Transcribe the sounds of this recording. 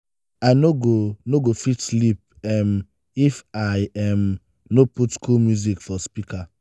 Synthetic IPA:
aɪnoɡonoɡofitslip̚ | ɛm | ifaɪɛm | noputskulmjuzikfɔspika

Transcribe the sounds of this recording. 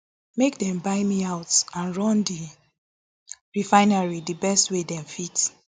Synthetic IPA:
mek̚dɛ̃mbaɪmiaʊtãnɹɔ̃ndi | ɹifaɪnaɹidibɛstwedɛ̃mfit

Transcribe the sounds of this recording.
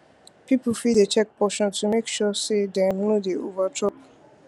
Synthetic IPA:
pipufidet͡ʃɛk̚pɔʃɔ̃ntʰumekʃɔsedɛ̃mnudeovatʰɔp

